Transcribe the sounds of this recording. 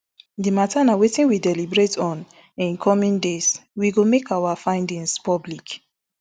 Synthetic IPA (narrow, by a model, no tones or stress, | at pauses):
dimatʰanawetĩnwidɛlibɹetʰɔ̃n | ĩnkʰɔmĩndeswiɡomekawafãɪ̃ndĩŋspɔblik